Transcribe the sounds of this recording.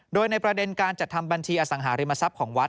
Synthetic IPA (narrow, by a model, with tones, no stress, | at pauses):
doː˧jna˧jpɾa˧de˧nkaː˧nt͡ɕa˨˩t̪̚ʰa˧mba˧nt͡ɕʰiː˧ʔaː˧˩sa˩˦ŋɦaː˩˦ɾi˧mːa˧sa˦˥p̚kʰɔː˩˦ŋwa˦˥t̪̚